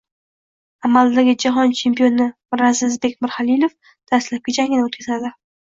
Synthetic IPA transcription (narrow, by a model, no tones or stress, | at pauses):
amald̪aɡʲɪd͡ʒaɦɒnt͡ʃʰe̞mpijo̞nɪ | ɾazɪzbe̞k̚ʲmɪɾhalilˠof | d̪̥ast̪lap̚ɡʲad͡ʒaŋʲɡʲɪnot̪kʲʰazad̪ɪ